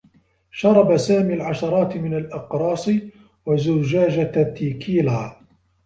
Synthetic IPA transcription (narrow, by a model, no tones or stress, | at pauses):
ʃɑɾˤɑbasaːmiːlʕaʃɑɾˤɑːt̪mɪnalʔɪqɾˤɑːsˤɨ | wazʊd͡ʒaːd͡ʒat̪ːiːkʰiːlaː